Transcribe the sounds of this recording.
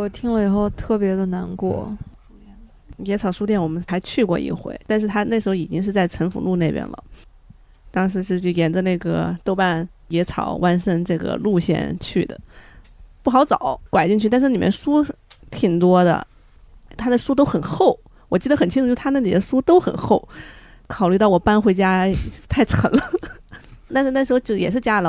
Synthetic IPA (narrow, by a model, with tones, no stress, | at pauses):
t̪ʰi˥ŋlə˨i˨˩xo˥˧ʊt̪ʰɤ˥˩pjɛ˧˥d̪ə˧na˧˥nkwɔ̰˥˩ | jɛ˧˥t͡sʰɑ˨˩ʊʂu˥t̪jɛ˥˩nwɔ˨˩mə˦nxa˧˥ɪt͡ɕʰy˥˧kwɔ˥˧˩ʔḭ˧˥˩xwḛ˥˩ɪt̪a˥˧nʂ̬ɻ̩˥˩t̪ʰa˥na˥˩ʂɻ̩˧˥xo˧i˨˩t͡ɕi˥ŋʂ̬ɻ̩˥˧t͡sa˥˩ɪʈ͡ʂʰə˧˥nfṵ˧˥lu˥˧ne˥˩ɪpjɛ̰˧˥nlə̰˩ | t̪ɑ˥ŋʂɻ̩˧˥ʂɻ̩˥˧t͡ɕjʊjɛ˧˥nd͡zə˧na˥˩ɡə̰˩t̪o˥ʊpa˥˧n | jɛ˧˥t͡sʰɑ̰˨˩˦ʊwʔa˥nʂə˥˧ŋʈ͡ʂɤ˥˩ɡə̰˩lu˥˧ɕjɛ̰˥˧nt͡ɕʰy̰˥˩d̪ə̰˩ | pu˥˩xɑ˧˥ʊt͡sɑ˨˩˦ʊkwa˨˩ɪt͡ɕi˥˧ŋt͡ɕʰy˥˩t̪a˥˧ʂɻ̩˥˩li˨˩mɛ̰˥nʂu˥t̪ʰi˨˩ŋt̪wɔ˥d̪ə̰˧˨ | t̪ʰa˥d̪ə˨ʂu˥t̪̬o˥ʊxə˨˩nxo˥˩ʊ | wɔ˨˩t͡ɕi˥˩d̪ə˩xə˨˩nt͡ɕʰi˥ʈ͡ʂu˧˥˧na˥˩li˨˩d̪ə˦ʂu˥t̪o˥ʊxə̰˨˩nxo˥˩ʊ | kʰɑ˨˩ʊly˥˧t̪ɑ˥˩ʊwɔ˨˩pa˥˧nxwe˧˥ɪt͡ɕja˥t̪ʰa˥˩ɪʈ͡ʂʰə̰˧˥ŋlə˧ | t̪a˥˧nʂɻ̩˧na˥˩ʂɻ̩˧˥xt͡ɕjɛ˨˩ʂɻ̩˥˩t͡ɕja˥lə˨